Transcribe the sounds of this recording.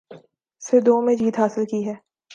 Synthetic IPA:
sɪd̪oːmẽd͡ʒiːt̪ɦaːsɪlkiɦɛː

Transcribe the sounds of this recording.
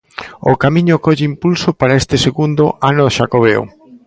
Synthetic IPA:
okamĩɲʊkɔʎeimpulsopaɾaest̪eseɣund̪oʔanoʃakoβ̞eo̰

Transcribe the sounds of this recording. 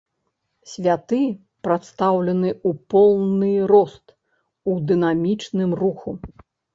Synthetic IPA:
sʲvʲat̪ɨ | pɾat̪st̪awlʲɐnɨupɔlˠnɨɾɔst̪ | ud̪ɨnamʲit͡ʂnɨmruxu

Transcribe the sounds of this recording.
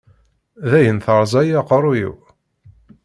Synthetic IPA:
ðæjənθəɾˤzˤæjæqɾˤujḭw

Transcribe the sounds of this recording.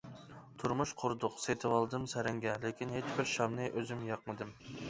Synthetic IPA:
t̪ʰuɾmuʃqʰʊɾd̪ʊqset̪ʰɨwɑlˠd̪ɨmsæɾɪŋɡʲɛlɪkʲʰinɦet͡ʃbɪɾʃɑmnɨʔøzymjɑqmɨd̪ɨm

